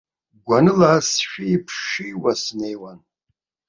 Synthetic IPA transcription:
ɡʷanɨlasʃᶣiipʰʃiwasne̞jwan

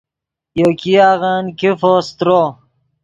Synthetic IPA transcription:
jokiaːɣankifoːst̪ɾo

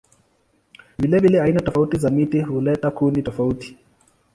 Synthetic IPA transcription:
vilɛvilɛainatɔfautizamitiɦulɛtakunitɔfauti̥

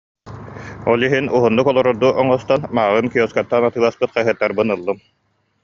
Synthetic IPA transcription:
ɔlˠiɦinuɦunːukɔlˠɔɾɔɾd̪uʔɔŋɔst̪anmaʁɯnkiɔskat̪ːanat̪ɯːlˠaspɯt̪χɛɦɯt̪ːaɾbɯnɯlˠːɯm

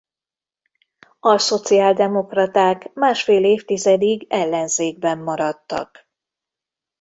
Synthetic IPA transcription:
ɒso̞t̪siaːld̪ɛmo̞krɒt̪aːkmaːʃfeːleːft̪izɛd̪iɡɛlːɛnzeːɡ̚bɛmːɒɾɒt̪ːɒ̰k

